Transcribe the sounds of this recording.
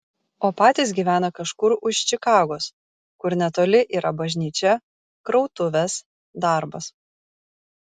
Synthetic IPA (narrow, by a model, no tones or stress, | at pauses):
oːpɑːt̪ʲiːs̬ʲɡʲiːʋʲæːnɐkɐʃkʊɾʊʃt͡ʃʲɪkɑːɡoːs | kʊɾnʲɛt̪oːlʲɪʔiːɾʔɐbɐʒʲnʲiːt͡ʃʲɛ | kɾɐʊt̪ʊʋʲɛs | d̪ɑˑɾbɐs